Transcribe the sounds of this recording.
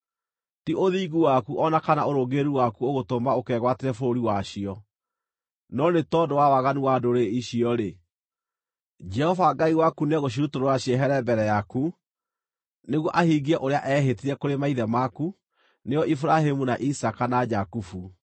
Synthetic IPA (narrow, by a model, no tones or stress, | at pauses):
tiʔoðiːɣuwakuʔɔnakanaoɾoɡeɾuwakuoɣotomaokɛɣwateɾɛfooɾiwaɕiɔ | nɔnetɔdowawaɣaniwadoɾeiɕiɔɾe | d͡ʒɛhɔvaɡaiwakunɛɣoɕ̬iɾutoɾowaɕiɛɦɛɾɛbɛɾɛjaku | neɣwɔʔahiɡiɛʔoɾeaʔɛɦetiɾɛkoɾemaiðɛmaku | neɔʔifɾahemunaʔisakanad͡ʒakufu